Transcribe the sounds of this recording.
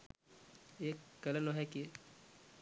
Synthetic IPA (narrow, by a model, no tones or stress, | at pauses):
eːkːɐlənoɦɛki